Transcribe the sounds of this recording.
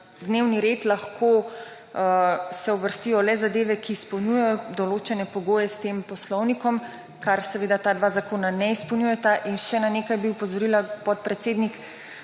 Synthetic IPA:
d̪neːwniɾeːt̪laxkʰo | sɛubəɾst̪iːjɔlɛzad̪eːʋɛkiːspɔwnʲjujɛjɔd̪ɔloːt͡ʃɛnɛpɔɡoːjɛst̪eːmpɔslɔwnikɔm | kaɾsɛʋeːd̪at̪aːd̪ʋaːzakoːnanɛispɔwnjujɛt̪aʔinʃɛnaneːkajbiupɔzɔɾilapɔt̪̚pɾɛt̪seːd̪nik

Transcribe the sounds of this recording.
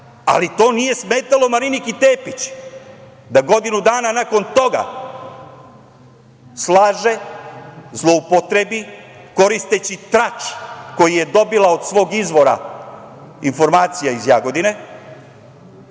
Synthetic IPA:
a̰lit̪o̞ːnije̞sme̞ːt̪alo̞maɾinikit̪eːpit͡ɕ | d̪aɡo̞d̪inud̪aːnanako̞nt̪o̞ɡa̰ | slˠaːʒe̞ | zlˠo̞upo̞t̪ɾe̞biko̞ɾist̪e̞t͡ɕit̪ɾat͡ʃko̞jije̞d̪o̞bilao̞d̪sʋo̞ːɡizʋo̞ɾa̰ | info̞ɾmaːt̪sijaizjaɡo̞d̪ine̞

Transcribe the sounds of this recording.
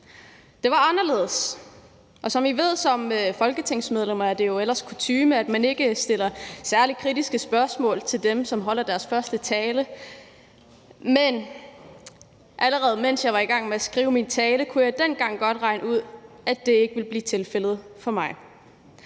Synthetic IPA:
d̥e̝ʋɑ̈ɑ̈nɐle̝ːðˠəs | ʔɒ̽sɒ̽miʋe̝ð̰ˠsɒ̽mfɒ̽lɡ̥ət͡sʰeŋ̰smeð̞ˠlem̰ɐæd̥e̝jo̝el̰ɐskʰut͡sʰyːməæd̥mæne̝ɡ̥əsd̥e̝l̰ɐsæɐlikʰʁid̥isɡ̥əsb̥ɶɐsmɔ̰̽ːlt͡sʰe̝ld̥emsɒ̽mɦɒ̽l̰ɐd̥æɐsfɶɐsd̥ət͡sʰɛːlə | men | ʔæləʁɛːð̩ˠmen̰sjɑɪʋɑ̈iɡ̥ɑ̈ŋ̰meæsɡ̥ʁiːʊəmint͡sʰɛːləkʰujɑ̈ɪd̥en̰ɡ̥ɑ̈ŋ̰ɡ̥ɒ̽d̥ʁɑ̈ɪnuð̞̰ˠ | æd̥e̝e̝ɡ̥əʋe̝lb̥liːt͡sʰe̝lfel̰ð̞̩ˠfɒ̽mɑ̈ɪ

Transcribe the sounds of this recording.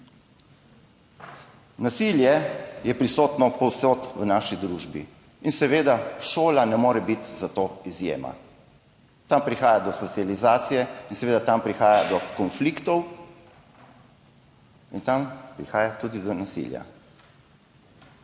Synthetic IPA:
nasiljɛjɛpɾisoːt̪nɔpɔwsoːt̪ʋnaːʃid̪ɾuːʒbḭ | insɛʋeːd̪aʃoːlanɛmoːɾɛbit̪zat̪oːizjḛːma̰ | t̪ampɾixaːjad̪ɔsɔt̪sijalizaːt̪sijɛinsɛʋeːd̪at̪ampɾixaːjad̪ɔkɔnflikt̪ɔw | int̪ampɾixaːjat̪uːd̪id̪ɔnasḭlja̰

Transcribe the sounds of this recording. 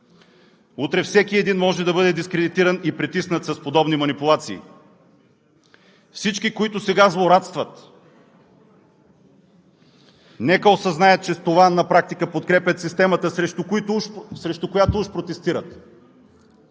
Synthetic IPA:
ut̪ɾɛfsɛkiɛd̪inmɔʒɛd̪ɐbɤd̪ɛd̪iskɾɛd̪it̪iɾɐnipɾɛt̪isnət̪sɐspod̪ɔbnimɐnipʊlˠat̪sḭː | fsit͡ʃkikoit̪ʊsɛɡazlˠoɾat̪st̪vɐt̪ | nɛkəosɐznajət̪̚t͡ʃɛst̪ovanɐpɾak̚t̪ikəpot̪kɾɛpʲɐt̪sist̪ɛmət̪əʃsɾɛʃt̪ʊkojat̪ouʃpɾot̪ɛst̪iɾət̪

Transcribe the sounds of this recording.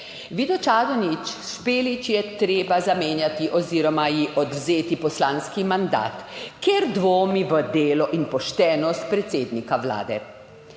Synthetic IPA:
ʋid̪ɔt͡ʃaːd̪ɔnit͡ʃspeːlit͡ʃjɛt̪ɾeːbazameːnjat̪iʔɔziːɾɔmajiʔɔd̪wzeːt̪ipɔslaːnskimand̪a̰ːt̪keɾd̪ʋoːmiʋəd̪eːlɔʔinpɔʃt̪ɛːnɔst̪̚pɾɛt̪seːd̪nikaʋla̰ːd̪ɛ̰

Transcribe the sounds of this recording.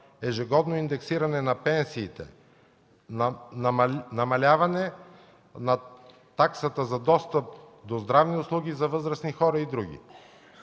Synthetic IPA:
ɛʒɛɡɔd̪noind̪ɛksiɾɐnɛnɐpɛnsiːt̪ɛ̰ | nnnɐmɐlʲavɐnɛ | nɐ | t̪aksət̪əzɐd̪ɔst̪əp̚ | d̪ozd̪ɾavniʊslˠuɡ̟ʲizɐvɤzɾɐsnixɔɾəid̪ɾuɡʲḭ

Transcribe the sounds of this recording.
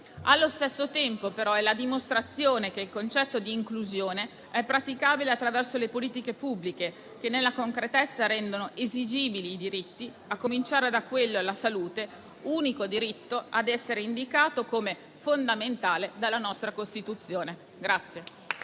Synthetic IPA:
alːost̪esːot̪ɛmpopeɾɔɛlad̪imost̪ɾat̪sːjoːnek̟eilkont͡ʃɛt̪ːod̪iːŋkluzjoːne | ɛpːɾat̪ikaːbileat̪ːɾavɛrsolepoliːt̪ikepubːlike | k̟enːelːakoŋkɾet̪ɛt̪sːaɾɛnd̪onoʔezid͡ʒiːbiliːd̪iɾit̪ːi | akːomint͡ʃaːɾed̪akːwelːoalasaluːt̪e | uːnikod̪iɾit̪ːoad̪ɛsːeɾeind̪ikaːt̪okome | fond̪ament̪aːled̪alːanɔst̪ɾakost̪it̪ut̪sːjoːne | ɡɾat̪sːje

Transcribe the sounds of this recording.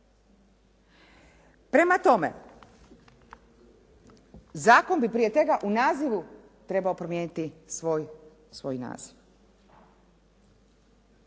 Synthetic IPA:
pɾe̞mat̪o̞mḛ | zaːko̞nbipɾiːet̪ʋe̞ɡaʔunaːziʋu | t̪ɾe̞baopɾo̞mjeːnit̪isoj | sʋo̞jna̰ːz̥iʋ

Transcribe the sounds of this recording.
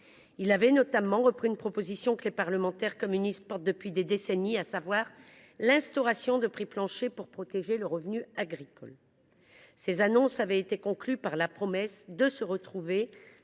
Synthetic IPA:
ilavɛnɔt̪amɑ̃ʁəpχiːnpχɔpozisjɔ̃kəlepaʁləmɑ̃t̪ɛʁkɔmynist̪̚pɔʁt̪̚d̪əpɥid̪ed̪esɛniasavwaʁ | lɛ̃st̪ɔʁasjɔ̃d̪əpχiplɑ̃ʃepuʁpχɔt̪eʒeləʁəvnyaɡʁikɔ̰l | sezanɔ̃savɛet̪ekɔ̃klypaʁlapχɔmɛsd̪əsəʁət̪χuve

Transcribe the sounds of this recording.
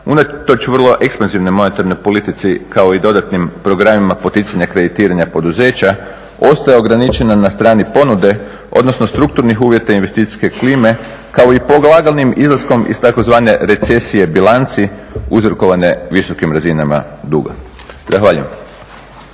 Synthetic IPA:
unat̪o̞t͡ʃʋər̩lˠo̞ʔe̞kspanziʋno̞jmo̞ne̞t̪aɾno̞jpo̞lit̪it̪sikao̞id̪o̞d̪at̪nimpɾo̞ɡɾamimapo̞t̪it̪saɲakɾe̞d̪it̪iːɾaɲapo̞d̪uze̞ːt͡ɕa | o̞st̪ajeo̞ɡɾanit͡ʃe̞nanast̪ɾaːnipo̞nud̪e̞ | ʔo̞̰d̪no̞snost̪ɾuk̚t̪uɾnixuːʋje̞t̪ainʋe̞st̪it̪i̥ske̞kliːme̞ | kao̞ipoɡlˠaɡalˠnimizlˠasko̞mḭst̪ako̞zʋaːne̞ɾe̞t̪se̞sije̞bilant̪siuzɾoko̞ʋane̞ʋiso̞kimɾazinama̰d̪ṵːɡa̰ | zaxʋaːʎṵjḛm

